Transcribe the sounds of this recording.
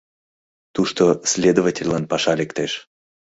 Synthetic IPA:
t̪uʃt̪osʲlʲed̪ovatʲelʲːanpɑʃɑlʲekt̪eʃ

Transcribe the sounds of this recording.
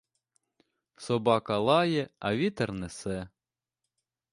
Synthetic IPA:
sɔbɑkɐlˠɑjɛɐʋʲit̪ernɛsɛ

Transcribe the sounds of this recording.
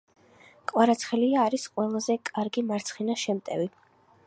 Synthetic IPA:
kʼwaɾat̪sʰχɛliaːɾisqʼwɛlˠazɛkʼaɾɡimaɾt̪sʰχinaʃɛmt̪ʼɛ̰vi

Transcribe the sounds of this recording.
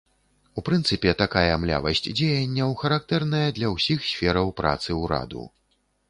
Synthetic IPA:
upɾɨnt̪sɨpʲɛt̪akajɐmlʲa̰vɐ̰sʲt͡sʲd͡zʲejɐnʲːɛwxɐɾak̚t̪ɛrnɐjɐd̪lʲɐwsʲixsʲfʲɛɾɐwpɾa̰t̪sɨwɾa̰d̪ṵ

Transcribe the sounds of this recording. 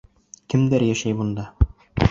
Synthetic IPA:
kɘ̆md̪æɾjæʃæjbund̪ɑ

